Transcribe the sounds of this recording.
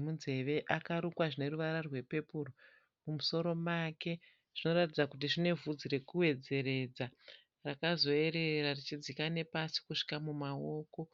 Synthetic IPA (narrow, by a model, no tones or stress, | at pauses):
munze̞ʋe̞ʔakaɾukwaʐine̞ɾuʋaɾarwe̞pe̞puro | mumuso̞ɾo̞make̞ | ʐ̥ino̞ɾatid͡zakut̬iʐine̞vud͡ziɾe̞kuwe̞d͡ze̞ɾe̞d͡za | rakazo̞e̞ɾe̞rarit͡ʃid͡zikane̞pasi̥kuʂi̥kamumao̞ːko̞